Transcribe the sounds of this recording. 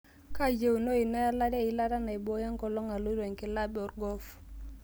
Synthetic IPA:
ka˦d͡ʒe˦u˨no˦i˨na˦ja˦la˦dɛ˦i˦la˦ɾa˦na˨i˨bɔ˦ja˦ŋkɔ˨lɔ˦ŋa˨lo˦i˦ɾe˨ŋkɪ˨la˦bɔ˨rɡɔ˦f

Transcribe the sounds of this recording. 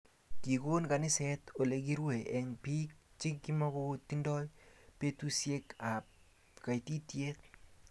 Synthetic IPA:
ki˨ko˦nka˨nɪ˦sɛ˦to˨le˨ki˦ɾwe˨ʔɛ˨ŋpi˦k̚t͡ʃɪ˦kːi˦mɔ˦kɔ˦ti˦ndɔ˦jpe˦tu˦sje˦ka˨ | ka˨iti˦tje˦t

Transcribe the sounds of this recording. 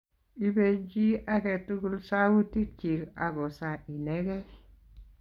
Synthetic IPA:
i˦be˦d͡ʒi˦ʔa˦ke˨tu˦ɡu˦lsa˦wu˦ti˦ɾt͡ʃi˨ɾa̰˨ɡo˨sa˨ʔi˨ne˦ɡe˦

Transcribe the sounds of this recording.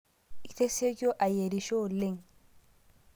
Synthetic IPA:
i˨t̪e˦se˦jo˦ʔa˨je˨ɾi˨ʃo˦le˦˨ŋ

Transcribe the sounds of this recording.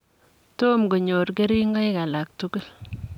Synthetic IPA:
to˦mɡo˨ɲo˨ɾke˦ɾi˦ŋɡa˦jka˨la˨k̚tu˦ɡu˦˨l

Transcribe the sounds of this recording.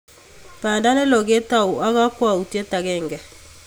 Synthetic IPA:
paː˨nda˦lɛ˦lɔ˨ɣe˦ta˨o˨a˦ɣa˦kwa˨u˨tɛ˦ta˨ɣɛ˦˨ŋɡɛ˨

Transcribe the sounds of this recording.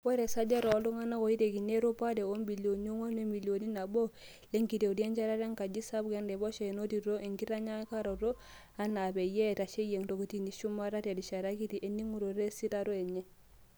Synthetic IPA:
wɛ˦ɾe˨sa˦d͡ʒa˦ɾɔː˨˦lu˦ŋa˦na˦ko˨i˦te˨ki˨ne˦ɾo˦pa˦de˨o˦mbi˨lo˨no˦ŋa˦nwe˦mi˨lio˨ni˦na˨bo˦ | le˦ŋki˨te˨u˨di˦a˦nt͡ʃa˦ɾa˦ɾa˦ŋka˨d͡ʒi˦sa˦bɡe˦ndɛ˨bɔ˦ʃe˨no˦ti˨ɾo˦ʔe˨ŋki˦ɾa˦ɲa˦ka˦ɾo˨ɾo˦ | a˦na˨bɛ˨jɛ˦˨ta˨ʃe˦je˨ŋto˨ko˨ti˦ni˨ʃu˦ma˦ɾa˦ta˨di˨ʃa˨ɾa˦ki˦ti˨ʔe˨nːi˦ŋu˨ɾo˨ɾe˦si˦ta˦ɾo˦e˨ɲɛ˦

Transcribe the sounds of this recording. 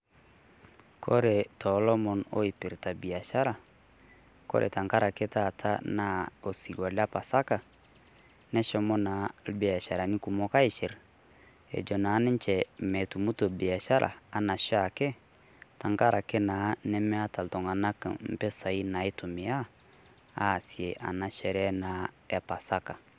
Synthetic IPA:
kʰɔ˦ɾɛ˨tʰɔ˨˦lɔ˦mɔ˨no̰˦i˨pi˨ɾta˨bi˨a˨ʃa˦ɾa˨ | kɔ̰˦ɾʔɛ̰˨ta˨ŋka˦ɾa˨kɛ˦ta˦˨tʰa˦na˨˦o˨si˨ɡa˨la˦pa˨sa˦ka˨ | nɛ˦ʃɔ˦mɔ˦na˨˦lbɛ˨a˨ʃa˨ɾa˨ni˦ku˨mɔ˦ka˦i˨ʃe˨ɾ | ḛ˨d͡ʒɔ˨na˨˦nɛ̃˦t͡ʃɛ˨mɛ˨tu˨mu˦to˨bɛ˨a˨ʃa˦ɾʔa̰ː˨na˨ʃɔ˦a˨kɛ˦ | ta˨ŋka˦ɾa˨kɛ˦na˨nɛ˦mɛ˦a˦ta˨ltɔ̃˨ŋa˨na˦kã̰˨m̩˨pɛ˦sa˨i˦na˨e˦tu˨mi˨a˦ | a˨˦˨si˨e˨ʔa̰˨na˨ʃɛ˦ɾɛ˦ɛ˦na˨ | ɛ˨pa˨sa˦ka˨

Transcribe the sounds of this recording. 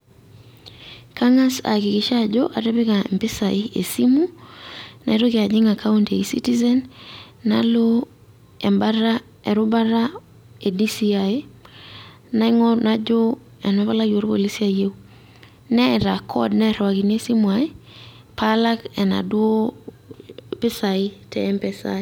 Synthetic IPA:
ka˦ŋa˦sa̰˨kɪ˨kɪ˨ʃa˦d͡ʒo˦ʔa˨ɾe˦be˦ka˨ḛ˨mpɪ˦saɪ˦ḛ˨si˦mu˦ | na̰˨i˨ɾo˦kɪ˨a˨d͡ʒɪ˦ŋa˨ka˦u˦nte˨i˨sḭ˦ti˦zɛ˦nː | alo˦ | ɛ˨mba˦ɾa˦ | e˨ɾu˦ba˦ɾa˦ | e˨di˦siae˦ | na˨ŋonad͡ʒo˦ | ɛ˨nɛ˦pa˦la˦kjo˨ɾko̰˦˨li˦si˦aje˦u | nɛ˦ɾa˨kʰɔ̰dnɛ˦ɾwa˨ki˨n˦e˦si˦mwae˦ | pala˦kɛ˨na̰˨dwo˦ | pɪ˦sa˨ɪ˦tɛ̰mpɛsa̰

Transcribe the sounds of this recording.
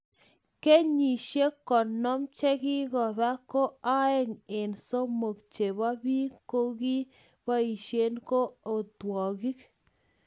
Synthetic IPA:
ke˦ɲi˨ʃe˦kɔ˨nɔ˦mt͡ʃe˦kɪ˦ɣɔ˨ba˦ko˦a˦ɛ˦ŋe˨nso˦mo˨kt͡ʃe˨ba˦bi˦ko˦ɡi˦ | ba˦i˨ʃe˦nko˦o˨twɔ˨ɡi˦k

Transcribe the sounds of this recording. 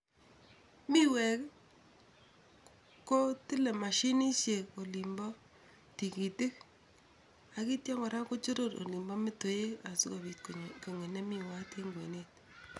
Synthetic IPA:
mi˦wɛ˨k | ko˦tɪ˦le˨ma˨ʃi˦ni˦ʃe˨ko˨li˨mbɔ˦ | ti˨ki˨tɪ˦k̚ | a˨ki˦tja˦ŋɡɔ˨ɾa˦ko˦t͡ʃu˦ɾo˦˨ɾo̰˨li˨mbɔ˦mɪ˦to˨je˦ka˨su˦ko˨βi˨tkko˨ŋe˨nɛ˦mi˦˨wa˦te˦ŋɡwe˨ne˦t̚

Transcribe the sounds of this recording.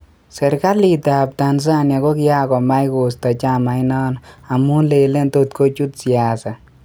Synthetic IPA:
sɛ˨ɾka˦li˨ta˨p̚ta˨ns̬a˦nja˨ko˦kɪ˦ja˦kɔ˨ma˦jko˨sta˨t͡ʃa˦ma˨jnɔ˦na˨mu˦nle˨le˦nto˦tkʰo˦t͡ʃu˦tsia˨sa˨

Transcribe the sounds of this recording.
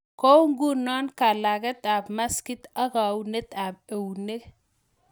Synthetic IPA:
ko˦ŋɡu˦nɔ˦nka˨la˨ɡe˦t̪a˨bma˦ski˦t̪a˦ka˨wune˦t̪a˨b̚e˨wne˦

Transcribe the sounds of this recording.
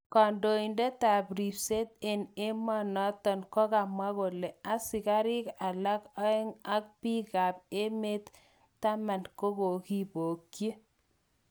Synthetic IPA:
kɔ˨ndo˨i˨nde˦t̪a˨bɾi˨pse˦t̪̚e˨ne˦mɔ˦nɔ˦t̪ɔ˨nkɔ˦ɣa˨mwa˦ɣo˨le˨a˦sɪ˨ka˦ɾi˦ka˨la˦kɔ˦ɛ˦ŋa˦k̚pi˦ɣa˨p̚e˦me˦t̪ː | a˦ma˨nko˦ɣo˨ki˦bo˨kːji˦

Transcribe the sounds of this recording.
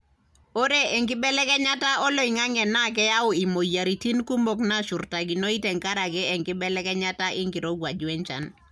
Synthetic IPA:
o˦ɾe˦ɛ˨ŋkɪ˦bɛ˦lɛ˦kɛ˦ɲa˦ta˦ɔ˦lo˦i˨ŋa˦ŋɛ˨na˦k̬ɛ˦ja˦ʊ˨i˨mo˨ja˨ɾi˨ti˦nku˦mbɔ˨kna˦ʃu˨rta˨ɡi˨no˦i˦tɛ˨ŋka˦ɾa˨kɛ˦ɛ˨ŋkɪ˦bɛ˦lɛ˦kɛ˦ɲa˦ta˦ʔɪ˦ŋɡɪ˨ɾo˦ɡwa˨d͡ʒu˨ɛ˦ɲt͡ʃa̰˨n

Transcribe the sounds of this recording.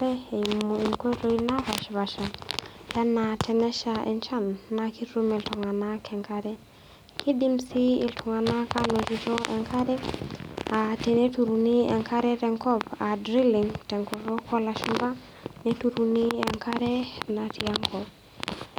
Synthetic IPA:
ɾɛ˦˨moi˨ŋko˦ɾo˦i˦na˦βa˨ʃβa˨ʃa˨ja˦natʰɛnɛ˦ʃaɛ̰˨nt͡ʃa˦nːaki˦ɾu˦mɛ˨ltɔ˨ŋa˨nakʰɛ˨ŋkaɾɛ˦ | kʰi˦di˦msi˦i˨ltʰɔ˨ŋa˨na˦ka˦nɔ˨d͡ʒi˦tɔʔɛ̰˨ŋkʰa˦ɾɛ˦ | a˨tɛ˨ne˦tu˨ɾuni˦ɛ̰˨ŋkʰa˦ɾɛ˦tɛ˨ŋkɔ˦ba˨dɾi˦li˨ŋtɛ˨ŋkɔ˨ɾɔ˦kʰɔ˦laʃmba˦ | nɛtu˨ɾuni˦ɛ˨ŋkʰa˦ɾɛ˦na˨tiaŋkʰɔb

